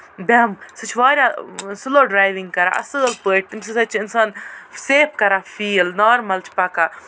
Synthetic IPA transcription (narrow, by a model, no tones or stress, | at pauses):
bɛmsɐt͡ʃʰʋaːɾʲjasɨloːɖɾaːjʋiŋɡkɐɾa̰ːʔɐ̰sɨɡɐlpəːʈ̪imsisɐt͡ʃʰɪnsaːnseːp̚kɐɾaːfiːlnɔːɾmɐlt͡ʃʰpɐka